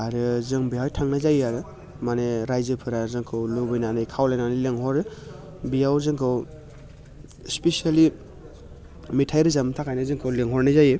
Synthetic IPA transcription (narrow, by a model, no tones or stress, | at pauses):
aɾɯzɯŋbiɦajtʰaŋnazajaɾɯ | maneɾajzɯpʰɯɾazɯŋkʰɯwlubɯjnanɯjkʰawlajnanɯleŋɦɔɾɯ | bijawzɯŋkʰɯw | spesiali | mitʰajɾɯzamtʰakʰajnɯzɯŋkʰɯwleŋɦɔɾnazajɯ